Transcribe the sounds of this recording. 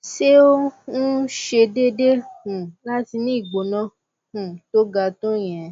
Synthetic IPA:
ʃe˦o˦nũ˦ʃe˧de˦de˦hũ˨la˦ti˧nĩ˦i˦˨ɡ͡bo˨nã˦ | hũ˨to˦ɡa˧tũ˦jĩ˨ɛ˨˦

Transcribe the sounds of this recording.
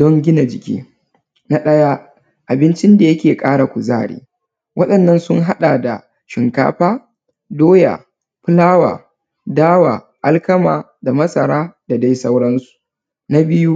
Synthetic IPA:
dɔ˦ŋɡʲɪ˦na˨d͡ʒɪ˨kʲḭː˦ | na˦ɗɐ˦jaː˦ | ʔa˨bɪ˦nt͡ʃɪ˦nda˨jɐ˦kʲeː˨kʼaː˦ɽa˨kʷʊ˨za̰ː˦˨ɽḭː˨ | wʔɐ˦ɗɐ˨nːɐ˦nsʊ˦ŋɦa˦ɗaː˨da˨ | ʃɪ˨ŋka̰ː˦ɸaː˦ | doː˦ja̰ː˨ | ɸʊ˦laː˦wa̰ː˨ | daː˦waː˨ | ʔa˦lkɐ˦maː˨ | da˨mɐ˦sɐ˨ɾaː˦da˨da˦jsa˦wɽɐ˦nsu̥˨ | na˦bɪ˦ju˦

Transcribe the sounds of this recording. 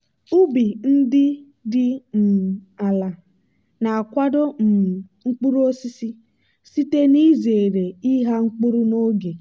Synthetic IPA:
u˦bi˨n̩˦dɪ˦ | dɪ˦m̩˨a˨la˨ | na˨a˨kʷa˦do˦m̩˨ŋ̩˦k͡pu˦ɾu˦o˦si˦si˦ | si˦te˦ni˦ze˨ɾe˨i˦ɦa˦ŋ͡m̩˦k͡pu˦ɾu˦no˦ɡe˨

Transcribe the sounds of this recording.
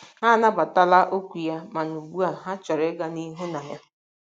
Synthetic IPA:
ɦa˦na˦ba˨ta˦la˦ʔo˦kʷi˨ja˦ma˨nu˨ɡ͡bu˦a˨ɦa˦t͡ʃɔ˨ɾe˦ɡa˦ni˦ɦu˦na˨ja˦

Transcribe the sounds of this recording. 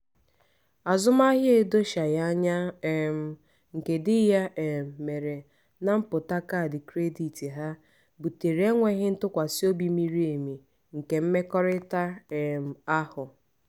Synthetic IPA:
a˨zʊ˦ma˦ɦɪ˦e˦do˦ʃa˨ja˦ɲa˦e˨m̩˨ | ŋ̩˨ke˨dɪ˦ja˦ʔe˨m̩˨me˨ɾe˨ | na˦m̩˦pʊ˨ta˦ka˦˨dɪ˨kɾe˦di˨ti˨ɦa˦ | bu˨te˨ɾe˦ŋʷe˦ɣɪ˦n̩˦tʊ˦kʷa˨si˦o˦bi˨mi˦ɾi˦e˨mi˨ | ŋ̩˨ke˨m̩˦me˦kɔ˦ɾɪ˦ta˦e˨m̩˨a˦hʊ˨

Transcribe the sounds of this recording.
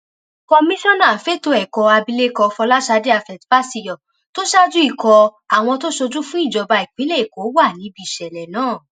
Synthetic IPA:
kɔ˧mĩ˦ʃɔ̃˦nã˦˨fe˦to˧ɛ˨kɔ˧a˧bi˧le˦kɔ˧fɔ˧la˦ʃa˧˦de˦a˧fɛ˨tba˦si˧˨jɔ˨ | to˦ʃa˦d͡ʒu˦i˦˨kɔ˧ | a˨w̃ɔ̃˧to˦ʃo˧d͡ʒu˦fũ˦i˦˨d͡ʒɔ˨˧ba˧i˨k͡pĩ˨˦lɛ˦˨i˨ko˨˦wa˦˨nĩ˨˦bi˧˦˨ʃɛ˨lɛ˨nãː˨˦˨

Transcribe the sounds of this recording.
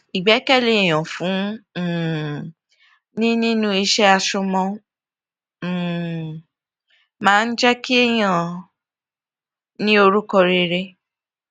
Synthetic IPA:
i˨ɡ͡bɛ˨˦kɛ˦˨le˨j̃ɔ̃˨fũ˨˦˨ | nĩ˦nĩ˦nũ˦i˧ʃɛ˦a˧ʃu˧mɔ̃˧˨ | mãː˦n̩˦d͡ʒɛ˦ki˦ɛ˦j̃ã˨ | nĩ˦o˧ɾu˦kɔ˧ɾe˧ɾe˧

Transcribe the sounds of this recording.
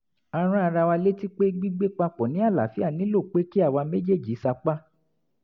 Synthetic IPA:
a˧ɾ̃ã˦a˧ɾa˧wa˧le˦ti˦k͡pe˦ɡ͡bi˦ɡ͡be˦k͡pa˧k͡pɔ˨nĩ˨˦a˦˨la̰˨˦fi˦a˦˨nĩ˨˦lo˦˨k͡pe˦ki˦a˦˨wa˧me˦d͡ʒe˦˨d͡ʒi˨˦sa˧k͡pa˦

